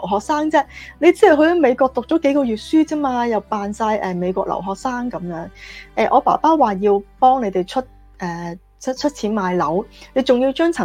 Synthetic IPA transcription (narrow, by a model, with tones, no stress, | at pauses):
wɦɔː˨k̚saː˥ŋt͡sɛː˥ne˨˧jt͡siː˥jɐ˨˩wɦɵ˧ɐ˨˥me˨˧jkɔː˧k̚t̪ʊ˨k̚t͡ʃɔ˨˥ke˨˥jkɔː˧jyː˨t̚syː˥t͡siː˥maː˧jɐ˨wpaː˨˧nsaː˧jʔɛː˨me˨˧jkɔː˧k̚lʔɐ̰˨˩wɦɔː˨k̚saː˥ŋkɐ˨˥mjœː˨˥ŋʔɛː˨˧ʔɔː˨˧pa̰ː˨˩paː˥waː˨jiː˧wpɔː˥ŋne˨˧jt̪e˨jt͡ʃʰɵ˥t̚ | ʔɛː˨˩ | t͡sʰt͡ʃʰɵ˥t̚t͡sʰiː˨˥nmaː˨˧jlɐ˨˥wne˨˧jt͡sʊ˨ŋjiː˧wt͡ʃœː˥ŋt͡sʰɐ˨˩